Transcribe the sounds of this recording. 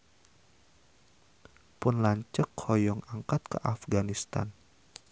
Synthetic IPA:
punlaɲt͡ʃəkhɔjɔŋaŋkat̪̚kə̰ʔafɡanist̪a̰n

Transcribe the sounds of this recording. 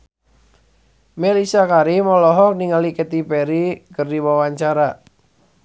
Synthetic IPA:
melisakaɾimɔlɔɦɔk̚niŋalikət̪ipeɾikərdiwawaɲt͡ʃaɾa

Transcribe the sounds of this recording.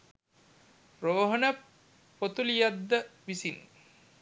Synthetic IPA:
roːɦənə | pot̪ulijad̪ːəʋisin

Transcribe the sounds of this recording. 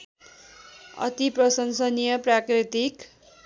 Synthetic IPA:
ʌ̰t̪iprʌsʌnsʌnijʌprakrit̪ik

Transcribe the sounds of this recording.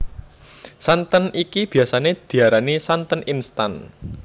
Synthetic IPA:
sant̪ənikib̥i̤asaned̪̥i̤aɾanisant̪əninst̪an

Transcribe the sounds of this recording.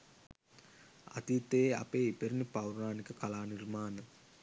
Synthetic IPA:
a̰t̪iːt̪eea̰peːipeɾinipawɾnaːnikəkalaːnirmaːnə

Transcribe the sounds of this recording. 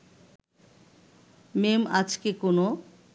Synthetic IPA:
memad͡ʑkekono

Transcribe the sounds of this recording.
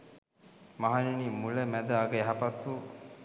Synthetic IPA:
maɦaninimuləmæd̪əaɡəæɦapat̪ʋu

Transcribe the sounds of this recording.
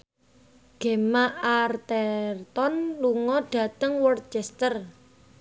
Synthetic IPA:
ɡ̥e̤maʔart̪ɛrt̪ɔnluŋɔɖ̥ä̤t̪əŋwɔrt̪̚t͡ʃɛst̪ər

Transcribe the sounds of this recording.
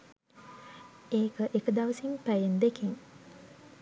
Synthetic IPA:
eːkəʔekəd̪ɐʋəsimpæjend̪ekeŋ

